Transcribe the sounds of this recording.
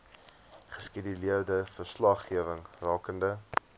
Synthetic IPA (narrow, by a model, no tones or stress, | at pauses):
χəskidəliərdəfərslɐχːiəvəŋrɑːkəndə